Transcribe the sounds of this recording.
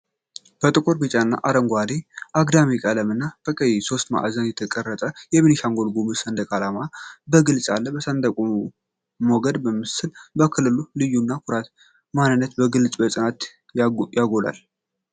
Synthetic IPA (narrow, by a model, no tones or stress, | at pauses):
b̥ət̪ʼɨkʼoɾbit͡ʃʼanːa̰ʔaɾəŋɡʷad̪eʔaɡd̪amikʼələmɨnːab̥əkʼəjiso̞st̪ma̰ʔa̰zənjɛt̪ʰəkʼərːət̪ʼəjɛminiʃaŋɡo̞lɡumɨsənd̪əkʼalamabəɡɨlsʼalːəbəsənd̪ʼəkʼu | moɡəd̪bəmːɨsɨlbəkʰɨlːɨlulɨjːunːakʰuɾat̪ | manːɨnːət̪bəɡɨlsʼbəsʼɨnat̪ | jajaɡola̰l